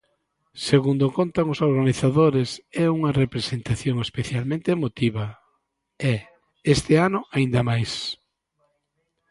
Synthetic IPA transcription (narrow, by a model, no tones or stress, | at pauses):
seɣund̪okont̪aŋʊsoɾɣaniθaðoɾesɛuŋɐrepɾesent̪aθjoŋespeθjalmẽnt̪eemot̪iβɐ | ɛ | est̪ɪanʊaind̪ɐmajs